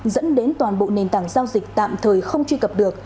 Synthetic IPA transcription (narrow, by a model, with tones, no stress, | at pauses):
zə̰˧˥nɗe˨˦nt̪waː˨˩nɓo̰˧˨ne˨˩nt̪aː˧˩ŋzaː˧wzï˨˩k̟̚t̪a̰ː˧˨mt̪ʰəː˨˩jxə˧wŋ͡mt͡ɕwi˧kə˨˩p̚ɗɨ˨˩ək̚